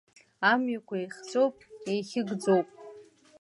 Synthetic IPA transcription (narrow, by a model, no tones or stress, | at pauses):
amɥakʷʰaejχʲt͡so̞wpʼejχʲɪɡd͡zowpʼ